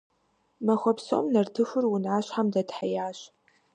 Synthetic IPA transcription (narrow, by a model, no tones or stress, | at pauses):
mɐxʷɔpso̰mnɐrtʰɨxʊrwʊnʕaːɕħamdɐdħajaːɕ